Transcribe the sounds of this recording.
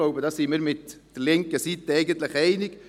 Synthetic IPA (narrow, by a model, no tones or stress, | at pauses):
loʊbədɑsɪnmiːɾmɪtd̥əlɪŋkəsiːt̪əɛɪɡənt̪lɪχɛɪnɪk